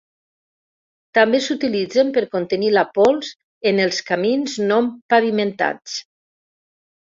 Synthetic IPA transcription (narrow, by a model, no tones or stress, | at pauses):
t̪ambesut̪ilid͡zempəɾkont̪ənilapɔlˠs | enəlˠskaminznompaβiment̪a̰t͡s